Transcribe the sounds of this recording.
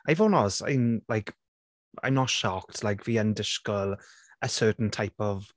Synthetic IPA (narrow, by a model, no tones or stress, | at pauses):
ʔaɪvonɔsa̰nlajk | ã̰ɪ̃mnətʃɔk̚tʰlajkv̥iːəndɪʃkəlˠ | əsɜːˑtn̩tʰajpɔv